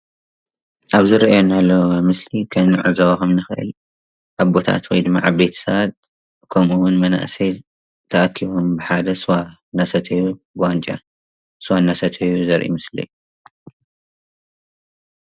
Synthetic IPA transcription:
ʔaβzɨɾɐʔjonalːɐmɨslikʰɐnɨʕɨzɐβakɐmnɨxɨʔɨ̰l | ʔaβbo̞t̪ʰa̰t̪wɔjd̪ɨmːa̰ʕaβbe̞t̪ʰɐ̥sɐβat̪ | kʰɐmuwʊnmɐna̰ʔsɐj | t̪ʰɐʔakʰːiβombɨħad̪ɐsɨwanasɐt̪ʰɐjubɨwant͡ʃʼa̰ | swanasɐt̪ʰɐjuzɐɾʔḭmɨslɐ̰ju

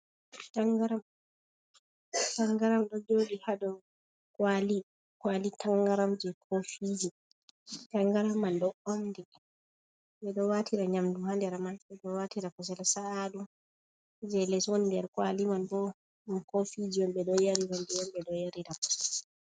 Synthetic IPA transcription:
taŋɡaɾam | taŋɡaɾamɗɔd͡ʒoːɗihadɔ | kwali | kwalitaŋɡaɾamd͡ʒɛkʰofid͡ʒi | taŋɡaɾamːanɗɔomdi | ɓbɛɗɔwatʰiɾaɲamduhandɛɾamanbɛɗɔwatiɾakɔs̬ɛlsaadu | d͡ʒɛlɛswɔndɛɾkwalimanbɔ | mkofid͡ʒiwɔmbɛɗɔjaɾiwɔndɛwɔmbɛɗɔjaɾiɾa

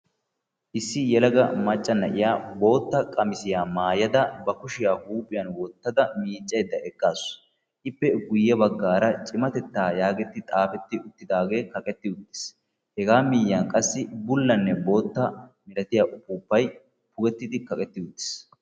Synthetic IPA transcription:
ʔɪsːɪjɛlɐɡɐmɐt͡ʃʼːɐnːɐʔɪjaːbo̞ːt̪ːɐkʼɐmɪsɪjaːmaːjɐd̪ɐbɐkʊʃɪjaːhuːpʼːɪjɐnwɔt̪ːɐd̪ɐmiːt͡ʃʼːɐjd̪ːɐʔɛɡːaːs | ʔɪpːɛɡʊjːɐbɐɡːaːɾɐt͡ʃʼɪmɐt̪ɛt̪ːaːjaːɡɛt̪ːɪt̪ʼaːfɛt̪ːɪʊt̪ːɪd̪aːɡe̞ːkɐkʼɛt̪ːɪʊt̪ːɪ̥s | hɛɡaːmɪːjːaːŋkʼɐsːɪbʊlːɐnːɛbo̞ːt̪ːɐmɪlɐt̪ɪjaːʔʊpːuːpːɐj | pʊɡɛt̪ːɪd̪ɪkɐkʼɛt̪ːɪʊt̪ːɪ̥s

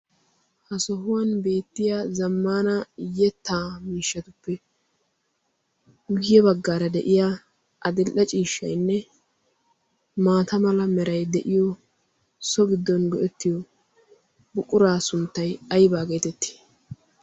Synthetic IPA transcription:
hɐsɔɦʊwɐnbe̞ːt̪ːɪjazɐmːaːnɐjɛt̪ːaːmiːʃːɐt̪ʊpːɛ | ʊɡɪjɛbɐɡːaːɾɐd̪ɛʔɪja | ʔɐd̪ɪlʔɐt͡ʃʼiːʃːɐ̰jnːɛ | maːt̪ɐmɐlɐmɛɾɐjd̪ɛʔɪjɔ | sɔbɪd̪ːɔnɡɔʔɛt̪ːɪjɔ | bʊkʼːʊɾaːsʊnt̪ːɐjɐjbaːɡe̞ːt̪ɛt̪ːi̥

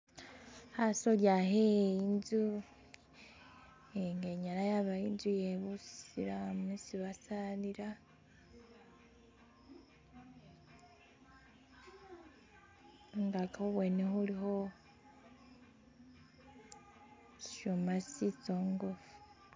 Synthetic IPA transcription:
hasoljaɦeinzu | eŋɡeɲaɾajaβainzujeβusḭɾamisiβasaniɾa | ŋɡakahoβweneɦuliɦo | ʃomasit͡soŋɡufu̥

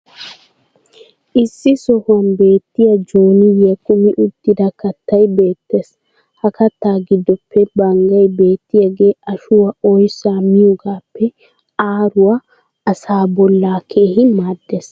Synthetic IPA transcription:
ʔɪsːɪsɔhʊwɐnbe̞ːt̪ːɪjɐd͡ʒoːnɪjɐkːʊmɪʔʊd̪ːɪd̪ɐkɐt̪ːɐjbe̞ːt̪ːe̞ːs | hɐkɐt̪ːaːɡɪd̪ːɔpʰːɛbɐŋɡɐjbe̞ːt̪ːɪjɐɡe̞ːʔɐʃʊwɐɔjsaːmɪjɔɡaːpːɛ | aːɾʊwɐ | ɐsaːbɔlːaːkʰe̞ːhɪmaːd̪ːeːs

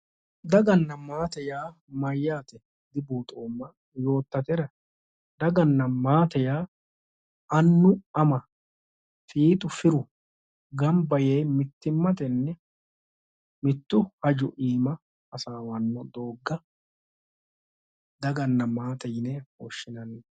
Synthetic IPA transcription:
d̪ɐɡɐnːɐmaːt̪ɛjaː | mɐjːaːt̪ɛ | d̪ɪbuːt̪ʼoːmːɐ | jo̞ːt̪ːɐt̪ɛɾɐ | d̪ɐɡɐnːɐmaːt̪ɛjaː | ɐnːʊɐmɐ | fiːt̪ʼʊfɪɾʊ | ɡɐmbɐjejmɪt̪ːɪmːɐt̪ɛnːɛ | mɪt̪ːʊhɐd͡ʒʊʔiːmɐː | saːwɐnːɔd̪oːɡːɐ | d̪ɐɡɐnːɐmaːt̪ɛjnɛhoʃːɪnɐnːɛ

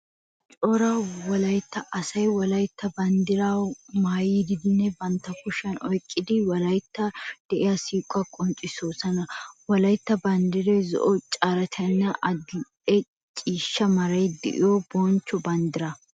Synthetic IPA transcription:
t͡ʃʼɔɾɐwɔlɐjt̪ːɐʔɐsɐjwɔlɐjt̪ːɐbɐnd̪ɪɾawmaːjid̪ɪd̪ɪnːɛbɐnt̪ːɐkʊʃːɐnɔjkʼːɪd̪ɪwɐlɐjt̪ːɐd̪̥ɛʔɪjasiːkʼːɐkʼɔnt͡ʃʼɪsoːsɐnɐwɔlɐjt̪ːɐbɐnd̪ɪɾɛzɔ̰ʔɔt͡ʃʼaɾɐt̪ʰɐnːɐʔɐd̪ʊ | ɛ | t͡ʃʼiːʃːɐmɐɾɐjd̪ɪ̰ʔɪ̰jobont͡ʃːɔbɐnd̪ɪɾɐ

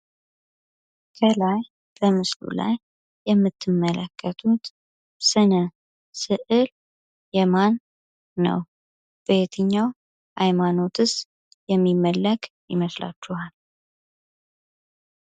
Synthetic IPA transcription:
kʰəlaj | b̥əmɨslṵla̰jː | ɛmːɨt̪ʰːɨmːələkʰːət̪ʰut̪ | sɨnə | sɨʔɨl | jɛmanː | ə̰w | b̥əet̪ʰɨɲːaw | hajmano̞t̪ʰɨs | jɛmːimːəlːəkjɪməsla̰t͡ʃːuhal

